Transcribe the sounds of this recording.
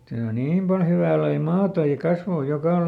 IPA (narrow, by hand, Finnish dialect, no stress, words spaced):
tæː o niːm pɑl hyʋæˑ lɑi mɑːtɑ jɑ kɑsʋoˑ jokɑˑ